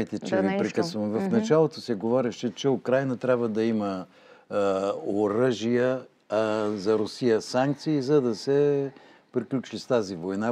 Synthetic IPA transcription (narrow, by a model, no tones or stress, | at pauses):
jt̪ɛt͡ʃɛvipɾikəsvɐmvɐfnɐt͡ʃalˠot̪osɛɡovɔɾɛʃɛt͡ʃɛʊkɾajnət̪ɾʲabvəd̪ɐimə | oɾəʒijə | zɐɾʊsijəsaŋk̚t̪siːzɐd̪ɐsɛ | pɾiklʲut͡ʃist̪azivojna